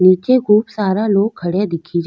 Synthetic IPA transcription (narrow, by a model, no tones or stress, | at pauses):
niːt͡ʃeɡʱuːpsaːɾaloːɡkʰːəɽjad̪ɪkʰid͡ʒaː